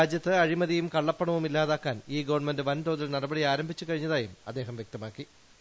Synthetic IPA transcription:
aːd͡ʑjɐt̪ːɨɐɻimɐðijumkɐɭːɐpːɐɳɐʋumilːaːðaːkːaːniːɡɐʋɐɳmendɨʋɐnt̪oːðilnɐɽɐbɐɽiaːɾɐmbʱit͡ɕːɨkɐɻiɲːɐðaːjumɐ̰d̪ːe̞ːɦɐmʋjek̚t̪ɐmaːkːi

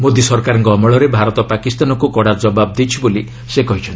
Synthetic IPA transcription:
mod̪isɔɾkaɾɔŋkɔːmɔɭɔɾebʱaɾɔt̪ɔpakist̪anɔkukɔɽad͡ʒɔbab̚d̪it͡ʃʰiboli | sekɔɦit͡ʃʰɔnt̪

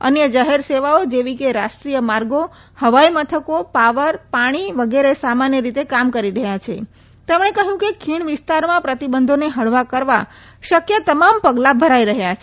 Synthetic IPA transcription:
ə̰njəd͡ʒaɦeɾseʋaod͡ʒeʋikeɾaʃʈɾijəmaɾɡo | həʋaimət̪ʰəkopaʋəɾpaɽ̃iʋəɡeɾesamanjəɾit̪ekamkəɾiɾəɦjat͡ʃʰe | t̪emɳ̃ekəɦjũkekʰiɳ̃ʋɪst̪aɾmãpɾət̪ibənd̪ʱoneɦəɽʋakəɾʋa | ʃəkjət̪əmampəɡlabʱəɾaiɾəɦjat͡ʃʰ

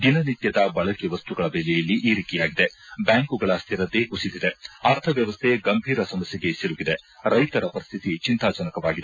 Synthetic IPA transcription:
d̪inɐnit̪jɐd̪ɐbɐɭɐkeʋɐst̪uɡɐɭɐbeːlɛjɐlːiʔiːɾiːt̪ijaːɡid̪ebjaːŋkuɡɐɭɐst̪ʰiɾɐd̪ekusid̪id̪eaːɾt̪ʰɐʋjɐʋɐst̪ʰe̞ɡɐmbʱiːɾɐsɐmɐsjeɡe̞siɾuɡid̪eɾɐjt̪ɐɾɐpɐɾist̪ʰit̪it͡ʃint̪aːd͡ʒɐnɐkɐʋaːɡid̪e

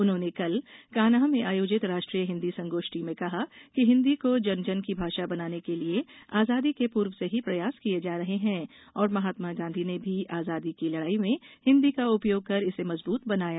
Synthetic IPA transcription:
ʊnɦõːnekɐlkaːnaːɦmẽʔaːjoːd͡ʒɪt̪ɾaːʃʈɾijəɦɪ̃nd̪isɐ̃ŋɡoːʃʈimẽkɐɦakiɦɪ̃nd̪ikod͡ʒɐnd͡ʒənkibʱaːʃabɐnaːnekelieaːzaːd̪ikepuːɾwseɦipɾɐjaːskijed͡ʒaːɾɐɦeɦɛ̃ː | ɔːɾmɐɦaːt̪maɡãːnd̪ʱinebʱiʔaːzaːd̪ikilɐɽaːimẽhɪ̃nd̪ikaʊpjoːɡ̚kɐɾɪsemɐzbuːt̪bɐnaːjaː

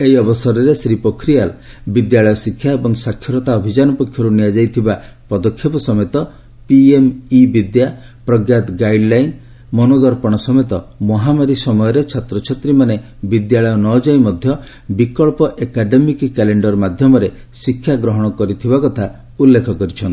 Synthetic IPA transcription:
ejɔbɔsɔɾɔɾesɾipokʰɾial | bid̪jaɭɔjɔsikʰːjaebɔŋsakʰːjɔɾɔt̪aɔbʱid͡ʒanɔpɔkʰjɔɾuniad͡ʒajt̪ʰibapɔd̪ɔkʰːɔpɔsɔmet̪ɔ | piemibid̪ja | pɾɔɡjat̪ɡajɖlajn | mɔnod̪ɔɾpɔɽ̃ɔsɔmet̪ɔmɔɦamaɾisɔmɔjɔɾet͡ʃʰat̪ɾɔt͡ʃʰet̪ɾimane | bid̪jaɭɔjɔnɔd͡ʒajmɔd̪ʱjɔ | bikɔɭpɔʔekaɖemikkɛleɳɖɔɾmad̪ʱjɔmɔɾe | sikʰːjaɡɾɔɦɔɽ̃ɔkɔɾit̪ʰibakɔt̪ʰa | ulːekʰɔkɔɾit͡ʃʰɔnt̪i

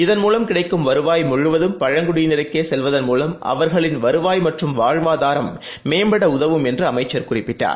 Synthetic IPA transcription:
ɪðɐnmuːlɐmkɪɽɐɪkːɯmʋɐɾɯʋaːjmʊɻɯʋɐðɯmpɐɻɐŋɡʊɽɪjnɪɾɐkːeːsɛlʋɐðɐnmuːlɐmʔɐ̰ʋɐɾɣɐɭɪnʋɐɾɯʋaːjmɐʈrɯmʋaːɻʋaːðaːɾɐmː | eːmbɐɽɐʊðɐʋɯmɛndrɯɐmɐɪt͡ʃːɐɾkʊrɪpːɪʈːa̰ːɾ

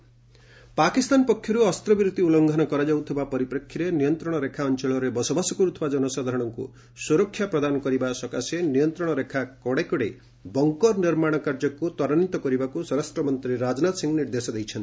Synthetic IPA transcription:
pakist̪anpɔkʰːjɔɾuɔst̪ɾɔbiɾut̪ːiulɔŋɡʱɔnɔkɔɾad͡ʒawt̪ʰibapɔɾipɾɔkʰːiɾenijɔnt̪ɾɔɽ̃ɔɾekʰaɔnt͡ʃeɭɔɾebɔsɔbasɔkuɾut̪ʰɔbad͡ʒɔnɔsad̪ʱaɾɔɽ̃ɔŋkṵ | suɾɔkʰːjapɾɔd̪anɔkɔɾibasɔkasenijɔnt̪ɾɔɽ̃ɔɾekʰakɔɽekɔɽe | bɔŋkɔɾniɾmaɽ̃ɔkaɾd͡ʒɔkut̪ɔɾɔnit̪ɔkɔɾibakusɔɾastɾɔmɔnt̪ɾiɾad͡ʒnat̪ɔsiŋɡniɾd̪esɔd̪ejt͡ʃʰɔnt̪i̥

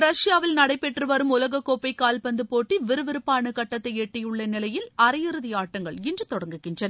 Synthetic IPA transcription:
ɾɐʂɪjaːʋɪlnɐɽɐɪpːɛʈrɯʋɐɾɯmʊlɐɣɐkːoːpːɐɪkːaːlpɐnd̪ɯpoːʈːiʋɪɾɯʋɪɾɯpːaːɳɯkɐʈːɐt̪ːɐɪeːʈːɐjɯɭːɐnɪlɐjɪlɐɾɐjɪɾɯðɪjaːʈːɐŋɡɐɭɪndrɯt̪ɔɽɐŋɡɯɣɪndrɐnɐ

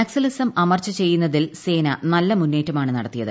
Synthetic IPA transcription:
ɐksɐlisɐmɐmɐrt͡ɕɐt͡ɕe̞jːunːɐðilse̞ːnɐnɐlːɐmunːe̞ːtːɐmaːɳɨnɐɽɐt̪ːijɐðɨ̰

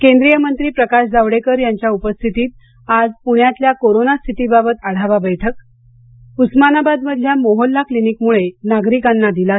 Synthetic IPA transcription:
kẽnd̪ɾijəmənt̪ɾiːpɾəkaɕd͡zaʋɽekəɾjaɲt͡ɕjaupəst̪ʰit̪iːt̪̚ | ad͡zpuɳ̃jat̪ljakoɾonast̪ʰit̪ibabət̪aɽ̤aʋabəjʈʰək | usmanabad̪məd̪ʱljamoɦolːaklinikmuɭenaɡɾikanːad̪ila

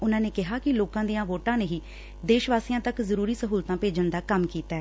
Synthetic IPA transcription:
ʊnãːneːkɪɦaːkɪloːkãːd̪ijãːʋoːʈãːneːɦiː | d̪eːʃʋaːsiːãːt̪əkzəɾuːɾiːsəɦuːlt̪ãːpeːd͡ʒənd̪aːkəmkiːt̪ɛː

